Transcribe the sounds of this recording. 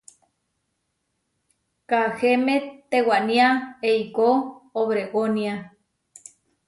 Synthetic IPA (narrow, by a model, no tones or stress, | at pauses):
kaxemet̪ewaʔnĩaeikooβɾeɣonia